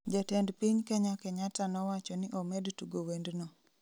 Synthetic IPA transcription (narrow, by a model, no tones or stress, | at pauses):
d͡ʒatɛndpiɲkɛɲakɛɲatanɔwat͡ʃɔnɪʔɔmɛdtuɡowendno